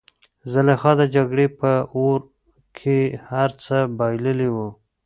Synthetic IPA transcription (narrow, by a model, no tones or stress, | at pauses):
zəlexɑd̪əd͡ʒaɡɽepəoɾ | kʰehaɾt͡səbɑjləliwu